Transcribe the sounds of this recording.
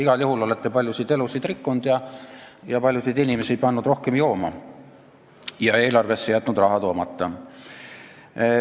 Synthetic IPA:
iɡ̥ɑljuɦulo̞let̪ːepɑlʲjusid̪e̞lusid̪rikːund̪̥jɑjɑpɑlʲjusid̪inʲimesid̪̚pɑnːud̪̥ro̞hke̞mjo̞ːmɑ | jɑe̞ːlɑrve̞sːejæt̪ːˑnud̪rɑɦɑt̪o̞ːmɑt̪ˑːɑ

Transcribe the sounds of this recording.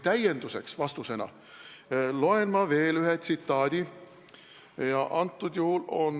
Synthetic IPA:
t̪æje̞nd̪̥use̞̰ksvɑst̪use̞nɑ̰ | lo̞enmɑve̞ːlyɦet̪sit̪ːɑːd̪̥ʲi | jɑʔɑnt̪ˑːud̪̥juhulo̞n

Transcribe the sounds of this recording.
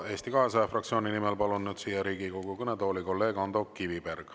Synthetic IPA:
e̞ːst̪ikɑɦesɑjɑfrɑkt̪sioːnʲinimɛlpɑlunːyːd̪̥siːjɑɾiːɡ̥iko̞ɡ̥ukɤnet̪o̞ːliko̞lːe̞ːɡ̥ɑnd̪̥okːiviperɡ̥

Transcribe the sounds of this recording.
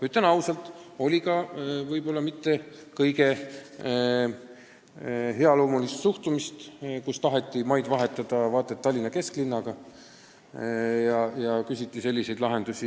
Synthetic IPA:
yt̪ːˑenɑwsɑlt̪ˑo̞lʲikɑvɤjb̥o̞lːɑmit̪ˑːe̞ | kɤjɡ̥e̞ | ɦe̞ɑlo̞ːmulist̪suht̪umist̪kust̪ɑɦe̞t̪ːˑimɑjd̪vɑɦe̞t̪ːˑɑd̪̥ɑvɑːt̪ːˑet̪ːɑlʲːinɑke̞sklinːɑɡ̥ɑ | jɑjɑkysʲit̪ˑːise̞lʲːise̞jd̪lɑɦe̞nd̪usʲi

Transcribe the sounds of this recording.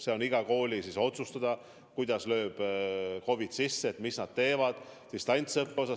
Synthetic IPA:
se̞o̞niɡ̥ɑko̞ːlʲisiso̞t̪sust̪ɑd̪̥ɑ | kujd̪̥ɑslø̞ːb̥ko̞vid̪̥sisːeːt̪misnɑd̪̥t̪e̞ːvɑd̪̥sist̪ɑnʲt̪sɤpːeo̞sɑ

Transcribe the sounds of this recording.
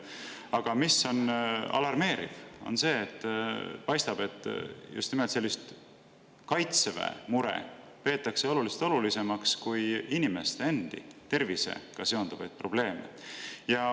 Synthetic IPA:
ɑɡ̥ɑmisːo̞nɑ̰lɑrme̞ːɾḭvo̞̰nse̞ːt̪ːˑpɑjst̪ɑb̥e̞t̪ːˑjṵst̪nimelt̪selːist̪ | kɑjt̪sevḛmuɾḛ | pe̞ːt̪ːˑɑkse̞o̞lulise̥t̪o̞lulise̞mɑkskujinime̞st̪eend̪̥ḭt̪e̞rvise̞̰kɑseo̞nd̪uvɑ̰jd̪̥̚pro̞b̥le̞ːmḛjɑ

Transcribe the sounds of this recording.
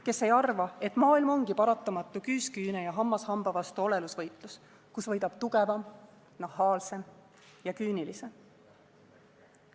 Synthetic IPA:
ke̞sːe̞jɑrvɑe̞t̪ːˑmɑːilmo̞ŋɡ̥ipɑɾɑt̪ːˑɑmɑt̪ːˑukyːskyːnejɑɦɑmːɑshɑmb̥ɑvɑst̪uo̞le̞lusvɤ̞jt̪ˑlus | kusvɤjd̪̥ɑb̥̚t̪uɡe̞vɑm | nɑɦɑːlse̞m | jɑkyːnilise̞m

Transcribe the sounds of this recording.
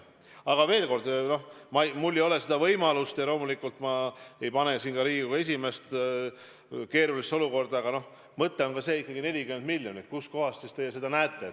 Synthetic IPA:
ɑɡ̥ɑve̞ːlko̞rd̪̥no̞mɑmulːejo̞le̞se̞d̪̥ɑvɤjmɑlust̪jɑlo̞ːmulikːult̪ːˑmɑe̞jpɑne̞siːnɡɑɾiːɡuɡɑe̞s̬ʲime̞st̪ | ke̞ːɾulist̪o̞luko̞rd̪̥ɑɑɡ̥ɑno̞h | mɤt̪ːˑe̞o̞nkɑse̞ːikːˑɑɡine̞lʲikymend̪milːjo̞nikusko̞ɦɑst̪sist̪e̞jse̞d̪ɑnæːt̪ːˑe̞

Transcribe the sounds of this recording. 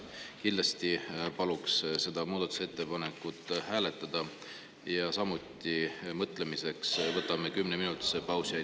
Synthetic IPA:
kind̪lɑst̪ipɑluksse̞d̪̥ɑmuːd̪̥ɑt̪ːˑu̥set̪ːe̞pɑne̞kːut̪ːˑhæːle̞t̪ːˑɑd̪̥ɑ | jɑsɑmut̪ːˑimɤt̪ːˑle̞mise̞ksvɤt̪ːˑɑmekymːneminut̪sepɑwsiɑ

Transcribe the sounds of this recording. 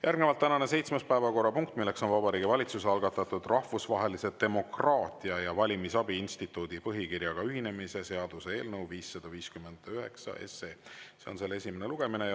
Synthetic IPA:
jʔærɡnevɑlt̪ːænɑnese̞jt̪smespæevɑko̞rːɑpuŋk̚t̪ːmilːe̞kso̞nvɑbɑɾiːɡivɑlʲit̪suseɑlɡ̥ɑt̪ːˑɑt̪ːˑud̪̥rɑhvusvɑɦe̞lise̞t̪e̞mo̞krɑːt̪iɑjɑvɑlʲimisɑbiinst̪it̪ːˑuːd̪̥ipɤɦikirjɑɡ̥ɑyɦine̞mise̞se̞ɑd̪̥use̞e̞ːlnɤwviːsːɑd̪̥ɑviːskyme̞nd̪̥øɦe̞ksɑ̰ʔe̞̰seːse̞o̞nse̞lːe̞sʲimeneluɡ̥e̞mine̞

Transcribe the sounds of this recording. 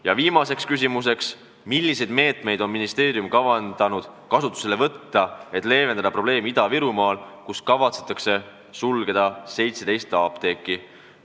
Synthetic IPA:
jɑviːmɑse̞kskys̬ʲimus̬e̞ks | milːise̞jd̪me̞ːt̪ˑme̞jd̪o̞nminist̪e̞ːɾiumkɑvɑnd̪̥ɑnud̪̥kɑsut̪ːˑu̥selevɤt̪ːɑe̞t̪ːˑle̞ːve̞nd̪ɑd̪ɑpɾro̞b̥le̞ːmid̪ɑviɾumɑːlkuskɑvɑt̪se̥t̪ːˑɑkse̞ | sulɡ̥e̞d̪̥ɑse̞jt̪se̞d̪̥e̞jst̪ɑːpt̪e̞ːkˑːi

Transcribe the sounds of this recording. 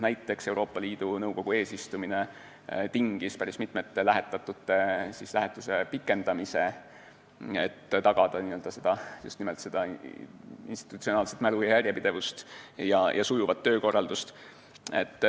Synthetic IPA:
næjt̪ːˑe̞kse̞uwɾʔo̞ːpːˑɑliːd̪̥unɤuwko̞ɡ̥ue̞ːsist̪umine̞ | t̪iŋɡ̥ispæɾismit̪ˑmet̪ːelæɦe̞t̪ːˑɑt̪ːˑut̪ːe̞sislæɦe̞t̪ːˑuse̞pikːˑe̞nd̪̥ɑmise̞ | ḛt̪ːt̪ɑɡ̥ɑd̪̥ɑniø̞ld̪ɑse̞d̪̥ɑjust̪nimelt̪se̞d̪̥ɑ | ḭnst̪i̥t̪u̥t̪sio̞nɑːlset̪mælujɑjæɾʲjepid̥̪e̞vust̪jɑjʔɑsujuvɑt̪ːø̞ːko̞rːɑld̪̥ust̪ | ḛt̪ː

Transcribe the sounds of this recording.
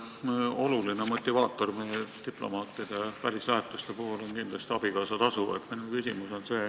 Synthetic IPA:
o̞lulinemo̞t̪ʲːˑivɑːt̪ːˑo̞rmejt̪iplo̞̰mɑːt̪ːˑid̪̥epæɾislæɦet̪ːˑust̪e̞puɦulo̞nkind̪lɑst̪iɑb̥ikɑːsɑt̪ɑsuḛt̪minukysʲimuso̞nse̞ː

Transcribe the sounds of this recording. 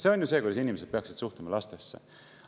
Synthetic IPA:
seo̞nʲjuseːkujd̪esinʲimes̬ed̪̥̚pe̞ɑksid̪̥suht̪umɑlɑst̪e̞sːḛ

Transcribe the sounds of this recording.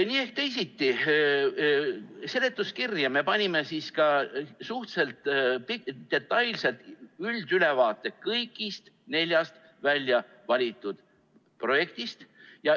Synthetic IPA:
niːe̞hk̚t̪ejsit̪ːi | se̞le̞t̪ːˑuskirjɑme̞pɑnʲime̞siːskɑsuht̪se̞lt̪ˑpid̪̥e̞t̪ːˑɑjlse̞lt̪yld̪̥yle̞vɑːt̪ːˑe̞kɤjkːˑist̪ | ne̞lʲjɑst̪ | vælʲjɑ | vɑlʲit̪ːˑud̪̥ | pro̞je̞kt̪ist̪jɑ

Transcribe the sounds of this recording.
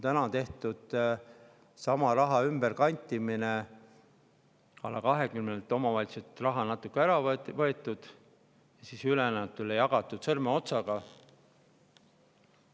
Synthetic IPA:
ot̪ænɑt̪e̞ht̪ud̪̥ | sɑmɑɾɑɦɑymb̥erkɑnʲt̪ʲːˑimine | ɑ̰lːɑkɑɦekymnelt̪ːˑo̞mɑvɑlʲt̪set̪rɑɦɑnɑt̪ːˑukːeæɾɑvvɤe̞t̪ːˑud̪̥ | jɑsisylenæɑt̪ːˑulːejɑɡ̥ɑt̪ːˑud̪̥sɤrmeo̞t̪sɑɡ̥ɑ

